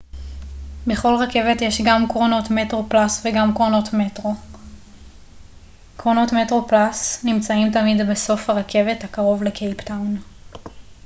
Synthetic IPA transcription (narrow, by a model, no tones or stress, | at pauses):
be̞χo̞lʁake̞ve̞tjeʃɡamkʁono̞tmetʁo̞plasveɡamkʁono̞tmetʁo | kʁono̞tme̞tʁo̞plasnimt͡saimtamidbeso̞fhaʁakʰe̞ve̞thakaʁo̞vlekʰejptawn